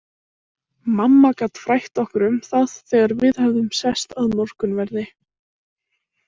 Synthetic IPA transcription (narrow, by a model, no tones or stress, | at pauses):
mamːakat̪fɾajht̪ɔhkʏɾʏmθaðθɛːɣaɾvɪðhɛvðʏmsɛst̪aðmɔr̥kʏnvɛɾðɪ